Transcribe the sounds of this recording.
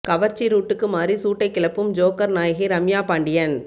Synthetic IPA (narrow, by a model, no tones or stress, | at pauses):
kɐʋɐɾt͡ʃːiɾuːʈːɯkːɯmaːrisuːʈːɐɪkːɪɭɐpːɯmd͡ʒoːkɐɾnaːjɐɣiɾɐmjaːpaːɳɖɪjɐn